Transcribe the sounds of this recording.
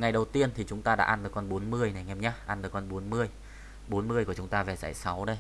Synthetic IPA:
ŋa˨˩jɗə˨˩wt̪i˧ənt̪ʰi˨˩t͡ɕʊ˨˦ŋ͡mt̪aː˧ɗa̰ː˧˥ʔaː˧nɗ̪ɨ˨˩kɔ˧nɓo˨˦nmɨ˧əjna˨˩jŋɛ˧mɲaː˨˦˥ʔaː˧nɗɨː˨˩kɔ˧nɓo˨˦nmɨ˧əj | ɓo˨˦nmɨ˧əjku˧˩ət͡ɕʊ˨˦ŋ͡mt̪aː˧vɛ˨˩za̰ː˧˨jsa˨˦wɗə˧j

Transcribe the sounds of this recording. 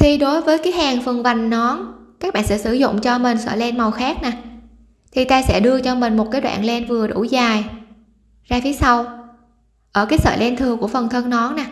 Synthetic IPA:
t̪ʰi˨˩ɗo˨˦jvəː˨˦jkaː˨˦jhaː˨˩ŋfə˨˩nva˨˩jŋ̟nɔ˨˦nkaː˦˥k̚ɓa̰ː˧˨nsɛ̰˧˥sɨ˧˩zʊ̰˧˨ŋ͡mt͡ɕɔ˧mï˨˩ŋ̟sə̰ː˧˨jlɛ˧nma˨˩wxaː˦˥k̚naː˨˩ | t̪ʰi˨˩t̪aː˧sɛ̰˧˥ɗɨ˧ət͡ɕɔ˧mï˨˩ŋ̟mo˨˩t̚kaː˨˦jɗwa̰ː˧˨nlɛ˧nvɨ˨˩əɗu˧˩zaː˨˩j | zaː˧fi˨˦əsa˧w | ʔəː˧˩kaː˨˦jsə̰ː˧˨jlɛ˧nt̪ʰɨ˨˩əŋku˧˩əfə˨˩nt̪ʰə˧nnɔ˨˦nnaː˨˩

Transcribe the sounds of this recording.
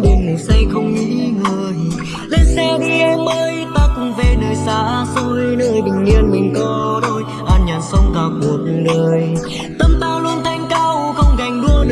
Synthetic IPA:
ɗi˨˩ŋ˨˩sa˧jxə˧wŋ͡mʔḭ˧˥ŋəː˨˩j | le˧nsɛ˧ɣi˧ʔɛ˧mɓəː˧jt̪aː˧kʊ˨˩ŋ͡mve˨˩nəː˨˩jsaː˨˦˧so˧jnəː˧˦jɓï˨˩ŋ̟li˧ənmï˨˩ŋ̟kɔ˨˦ɗo˧j | ʔaː˧˩nɲaː˨˩nsə˧wŋ͡mɣaː˨˩k̚ɗu˨˩ət̚ɗəː˨˩j | t̪ə˧mt̪aː˧˩wlu˧ənt̪ʰa˧˩jŋ̟kaː˧wxə˧wŋ͡mɣa˨˩jŋ̟ɗu˧ən˧

